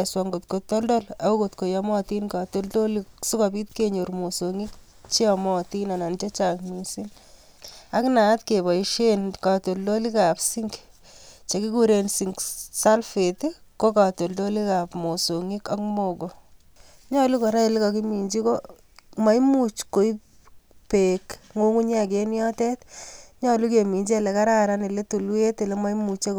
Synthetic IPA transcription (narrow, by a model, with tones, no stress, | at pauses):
swa˨ŋɡo˨t̪kotɔ˦ldɔ˦la˨ku˦ko˨t̪ko˨ja˦mɔ˦ti˦nka˨to˦lto˦lisi˦kɔ˨bi˦t̪̚ke˨ɲo˨ɾmo˨soŋi˦k̚ | t͡ʃi˦ɔmɔ˦ti˦na˨na˨nt͡ʃe˦t͡ʃakmi˨si˦n | a˦kna˨˦tke˨βɔ˨iʃe˦nka˨to˨ldo˦li˦ka˨psiŋɡ | t͡ʃe˨ki˦kuɾe˨nsi˨ŋksa˦lfe˨tiko˦ka˨to˨ldo˦li˦ka˨pmo˨so˨ŋi˦ka˦kmoɡo˨ | ɲɔ˦lu˦ko˨ɾa˦e˨li˦kaki˦mi˨ɲd͡ʒi˦ko | ma˨˦jmu˦t͡ʃko˨i˦ | pe˨kŋo˦ŋu˦ɲa˦k̬e˦njɔ˦tɛ˦tɲɔ˦lu˦ke˨mi˨ɲd͡ʒe˦le˨ka˦ɾa˦ɾa˦ni˨le˦tu˨lwe˦te˨le˦ma˦jmu˨t͡ʃe˦k